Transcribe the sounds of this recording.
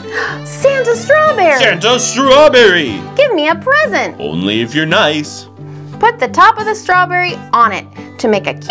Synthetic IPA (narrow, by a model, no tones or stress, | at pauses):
sæ̃nzəstɹ̥ɑbɛɹæ̃ntəstɹɔbɛɹiɡ̥ɪvmiɨpʰɹ̥ɛzɨ̃ntʔõ̰ʊ̃nlḭɨfjə˞naɪs | pʰʊt̪̚ðɨtʰɑpʌvðɨstɹ̥ɔbɛɹiə̃nɪ̰tʰɨmeɪkɨkʰ